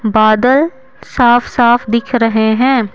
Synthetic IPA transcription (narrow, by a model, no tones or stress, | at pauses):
baːd̪əl | saːfʰsaːfd̪ɪkʰɾɐɦeɦɛ̃ː